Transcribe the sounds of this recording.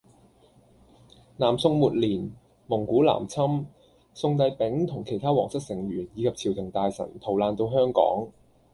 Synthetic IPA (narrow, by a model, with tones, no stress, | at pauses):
naː˨˩msʊ˧ŋmuː˨˩t̚liː˨˩n | mʊ˨˩ŋkuː˨˥la̰ː˨˩mt͡sʰɐ˥m | sʊ˧ŋt̪ɐ˧jpɪ˨˥ŋt̪ʰʊ˨˩ŋkʰe˨˩jt̪ʰaː˥wɔ̰ː˨˩ŋsɐ˥k̚sɪ˨˩ŋɥyː˨˩njiː˨˧kʰɐ˨p̚t͡sʰiː˨˩wt̪ʰɪ˨˩ŋt̪aː˨˧jsɐ̰˨˩nt̪ʰo˨˩wlaː˧nt̪o˧wɦœː˥ŋkɔ̰ː˨˥ŋ